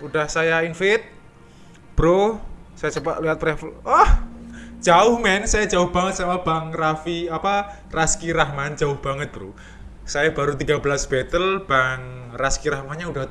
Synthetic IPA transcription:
uɖ̥ahsajainfɪt̪̚ | b̥əɾʊhsajat͡ʃəpa̰ʔ̪liɦat̪̚pɾɛflɔhʒ̥aʊhmɛnsajad͡ʒaʊhb̥aŋət̪̚samalb̥aŋrafiapa | raskiɾaɦmand͡ʒ̥aʊhb̥a̤ŋət̪̚b̥əɾu | sajab̥aɾut̪iɡabəlasb̥et̪əlb̥aŋraskiɾahmanɲaudah

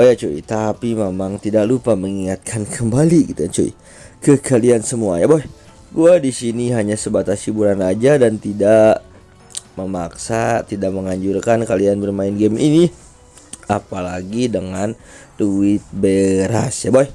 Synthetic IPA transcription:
ojat͡ʃuḭt̪apimemaŋt̪idaʔlupaməŋiŋat̪̚kʰankʰəmbaliɡit̪ujat͡ʃṵḭ | kəkaliansəmuajaboɛ | ɡuadisiniɦaɲasəbat̪asibuɾanad͡ʒadant̪idaʔ | məmaksat̪idaʔ̚məŋaɲd͡ʒurkankalianbərmaɪnɡɛmini | apalaɡidəŋan | luwit̪̚bəɾa̰sjaboɛ

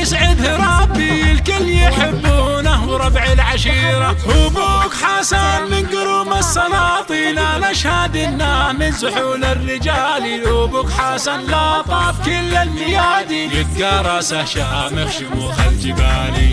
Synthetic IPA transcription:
ɪsʕɪd̪hɪɾˤɑbilkɪlːijħɪbːunahwɾˤɑbʕalʕaʃiːɾahʊbuːkħaːsanmɪnɡʊɾuːmasˤːɑnɑːt̪ˤinanaʃhaːd̪ɪnːaːmɪnzʊħuːlarːɪd͡ʒaːliubuːkħasanlat̪ˤɑːbkɪlːalːɪjaːd̪ijɪɡɡɑɾˤɑsaʃaʔamɪxʃiwuxald͡ʒɪbaːli

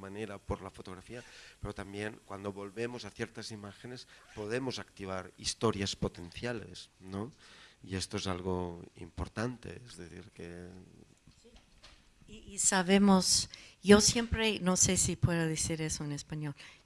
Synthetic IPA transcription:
mane̞ɾapo̞ɾlafo̞t̪o̞ɣɾafiape̞ɾo̞t̪ambje̞ŋkwand̪o̞βo̞lβe̞mo̞saθje̞ɾt̪asimaxe̞ne̞spo̞ðe̞mo̞sakt̪iβ̞aɾḭst̪o̞ɾjaspo̞t̪e̞nθjale̞̰sno̞ie̞st̪oesalɣo̞ḭmpo̞ɾt̪ant̪e̞̰ezðeθiɾke̞̰ | si | iisaβe̞mosjosje̞mpɾe̞nose̞sipwe̞ðoðesiɾe̞soenespaɲo̞l

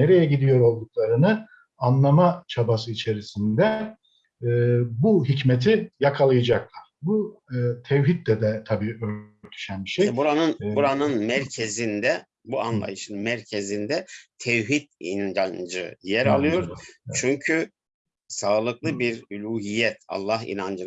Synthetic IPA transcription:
neɾejɛɟid̪ijo̞ɾo̞lˠd̪uk̚lˠaɾɯnɯ | anlˠamat͡ʃʰabasɯit͡ʃʰe̞ɾisind̪ɛː | buɦicmet̪ʰijakʰalˠɯjad͡ʒaklˠaɾ̥but̪ʰɛvɦit̪lʲɛd̪ɛt̪ʰabiːøt̪ʰy̥ʃænbiʃejɛbuɾanɯnbuɾanɯnmæɾcʰezind̪ɛ | bua̰nlˠa̰jɯʃɯnmæɾcʰezind̪ɛt̪ʰɛʋɦit̪̚ḭnɾand͡ʒɯ̰jɛɾalˠɯjo̞ɾt͡ʃʰyɲcʰy | saːlˠɯklˠɯbiɾylʲuːɦijːɛt̪a̰lˠːaɦḭnand͡ʒɯ

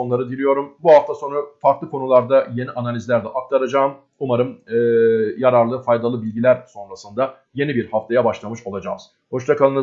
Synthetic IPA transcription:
onlˠaɾɯd̪ilʲijo̞ɾumbuhaft̪ʰaso̞nafaɾklˠɯkʰo̞nulˠaɾd̪aje̞niʔanalʲizlʲæɾd̪ɛʔak̚t̪ʰaɾad͡ʒaːm | umaɾɯmː | jaɾaɾlˠɯfajd̪alˠɯbilʲɟilʲæɾso̞nɾasɯnd̪a | je̞nibiɾhaft̪ʰajabaʃlˠamɯʃo̞lˠad͡ʒaːz̥ | ho̞t͡ʃt̪ʰakʰalˠɯnɯ

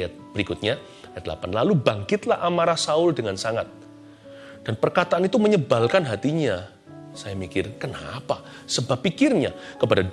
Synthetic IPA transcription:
jat̪̚b̥əɾikʊt̪̚ɲa | ajat̪̚la̰panlalubaŋkɪt̪̚lahʔamaɾasaʊldəŋansaŋat̪̚ | d̥anpərkat̪aːnit̪uməɲəbalkanɦat̪iɲa | sajamikɪrkənaapa | səbapːikɪrɲa̰kəpadad

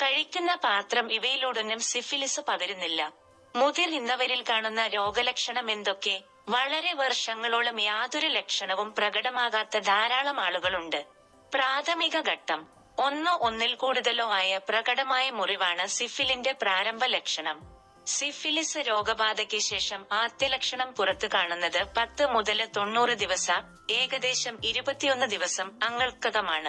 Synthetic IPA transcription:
kɐɻikʲːunːɐpaːt̪rɐmiʋɐjiluːɽonːumsifilisɨpɐɣɐɾunːilːɐ | muðirinːɐʋɐɾilkaːɳunːɐɾo̞ːɡɐlɐkʂɐɳɐme̞nd̪o̞kːe̞ | ʋɐɭɐɾe̞ʋɐrʂɐŋːɐɭoːɭumjaːd̪uɾule̞kʂɐɳɐʋumprɐɣɐɽɐmaːɣaːt̪ːɐd̪ʱaːɾaːɭɐmaːɭuɣɐɭuɳɖɨ | praːt̪ʰɐmiɣɐɡɐʈːɐm | o̞nːɨʔo̞nːilkuːɽuðɐlomaːjɐprɐɣɐɽɐmaːjɐmuriʋaːɳɨsifilinde̞praːɾɐmbʱɐlekʂɐɳɐm | sifilisɨɾo̞ːɡɐbaːd̪ɐkʲːɨɕe̞ːʂɐmaːt̪jɐlɐkʂɐɳɐmpurɐt̪ːɨkaːɳunːɐðɨpɐt̪ːɨmuðɐlt̪o̞ɳːuːrɨd̪iʋɐsɐ | eːɣɐd̪e̞ːɕɐmiɾubɐt̪ːijo̞nːɨd̪iʋɐsɐmɐŋːɐɭkɐɣɐmaːɳɨ

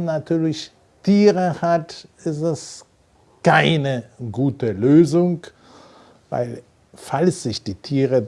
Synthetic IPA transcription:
natʰyːɐlɪç | tʰiːʁəhat | ɪs̬tɛs | kaɪnəɡuːtəløːzʊŋ | v̥a̰ɪl | falsz̥ɪçd̥iːtʰiːʁə

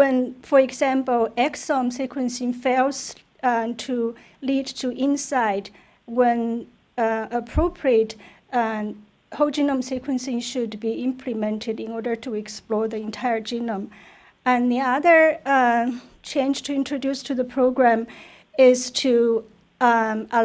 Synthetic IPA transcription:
wɛ̃nfə˞ɛɡzæ̃mpəl̩ˠɛksɔmsikʰwə̃nsĩŋfelˠz̥ | tʰu | lidtʰuʔɪ̃nsaɪd | wɛ̃n | əpʰɹ̥opʰɹiət | hoʊd͡ʒinə̃msikʰwə̃nsɪ̃ŋʃudbiɪ̃mpʰlɨmɛ̃ntʰɪdɪ̃nɔɹdə˞tʰuɛksplɔɹðiɛ̃ntʰaɪə˞d͡ʒĩnə̃m | ə̃nðiʌðə˞ | t͡ʃʰẽɪ̃nd͡ʒtʰɨɪ̃ntʰɹ̥ɨdustʰuðəpʰɹ̥oʊɡɹæ̃m | ɪztʰu | ʔə

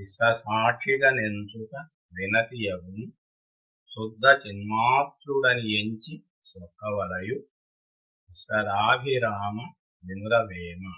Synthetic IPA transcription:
isʋɐsaːʂiɡɐnensukɐ | ʋenɐt̪ijɐɡun | sud̪ʱːɐt͡ʃinmaːt̪luɽɐnieɲt͡ʃi | sɔkːɐʋɐlɐju | isʋɐɾaːbʱiɾaːmɐ | ʋinuɾɐʋɛːmɐ

